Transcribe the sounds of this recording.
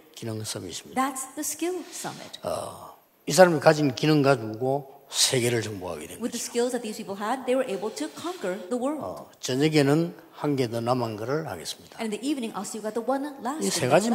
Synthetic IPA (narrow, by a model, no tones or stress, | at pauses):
kinɯŋs͈ʌmḭːs͈ɯ̥mɲidðætsðɨskɪlˠsʌ̰mɪ̰t̚ʌ̰ | is̬ʰaɾamikad͡ʑinkinɯŋɡad͡ʑuɡosʰe̞ɡe̞ɾɯɭt͡ɕʌŋboɦa̰ɡedenwɪððɨskɪlˠzðɨt̪̚ðiz̥pʰipl̩ˠəd̪̚ðeɪwə˞ʔeɪbl̩ˠtʰɨkʰɑ̃ŋkə˞ðəwɜ˞lˠdt͡ɕʌɲeɡenɯn | hanɡedonamanɡʌɾɯɭha̰ɡe̞s͈ɯ̥mɲid̥ãnɨ̃nðiʔivnɪ̃ŋʔɔsojɨvɡɑt̪̚ðəwʌ̃nlæsiseɡad͡ʑi